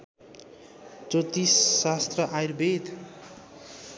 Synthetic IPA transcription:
t͡sot̪isːast̪rʌʔajrbet̪

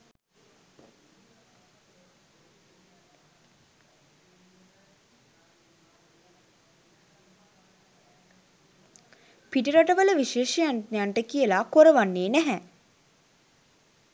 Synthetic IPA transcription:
piʈiɾaʈəʋələʋiʃeːʃəjanjaɳʈəkijəlakoɾəʋanːeːnæɦɛ

